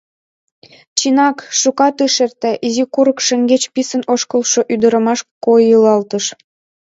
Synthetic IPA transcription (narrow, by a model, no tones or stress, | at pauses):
t͡ɕinɑkʃukɑt̪ɨʃert̪ĕʔizikuɾəkʃə̆ŋɡet͡ɕpisənoʃkəlʃoʔyd̪əɾə̆mɑʃkojɯlɑlt̪əʃ